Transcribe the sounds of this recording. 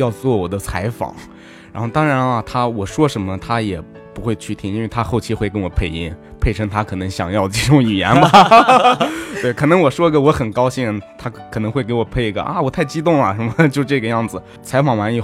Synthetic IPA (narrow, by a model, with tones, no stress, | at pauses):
jɑ˥˧ʊt͡swɔ˥˩wɔ˨˩d̪ə˦t͡sʰa˧˥ɪfɑ̰˨˩˦ŋ | ɻa˧˥nxo˥˧ʊt̪ɑ˥ŋɻa˧˥nɐ˧t̪ʰa˥wɔ˨˩ʂwɔ˥ʂə˧˥nmə˧t̪ʰa˥jɛ˨˩ | pu˧˥xwe˥˧ɪt͡ɕʰy˥˩t̪ʰi˥ŋi˥nwe˥˩ɪt̪ʰa˥xo˥˩ʊt͡ɕʰi˧˥xwe˥˩ɪkə˥nwɔ˨˩pʰe˥˩ɪi˥˩ŋ | pʰe˥˩ɪʈ͡ʂʰɤ˥ŋt̪ʰa˥kʰɤ˨˩nɤ˧˥ŋɕjɑ˨˩ŋjɑ˥˧ʊ˧i˥˩ʈ͡ʂʊ˧˥ŋy˨˩jɛ˧˥nbɐ˨˩ | t̪we˥˩ɪkʰɤ˨˩nɤ˧˥ŋwɔ˨˩ʂwɔ˥i˧˥ɡə˧wɔ˧˥xə˨˩nkɑ˥ʊɕi˥˧ɻə˧˥nt̪ʰa˥kʰɤ˨˩nɤ˧˥ŋxwe˥˩ɪke˧˥ɪwɔ˨˩pʰe˥˩ɪ˧ɡə̰˧˦ʔa̰˧wɔ˨˩t̪ʰa˥˩ɪt͡ɕi˥t̪̬ʊ˥˩ŋɐ˩ʂə˧˥mə˧t͡ɕjo˥˧ʊʂʈ͡ʂɤ˥˩ɡə˩˧jɑ˥˩ŋd͡zɹ̩˩ | t͡sʰa˧˥ɪfɑ˨˩ŋwa˧˥ni˧˩